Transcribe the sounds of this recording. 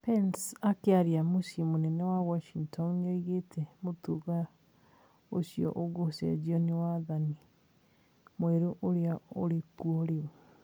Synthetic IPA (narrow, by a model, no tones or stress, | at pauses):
pɛnsakeaɾiamusimonɛnɛwawɔʃiŋtʰɔnːeɣetʰɛmotuɣa | osiɔ̰ʔoɣosɛ̰d͡ʒiɔniwaːðani | mwɛɾoʔoɾeaoɾekuɔɾeo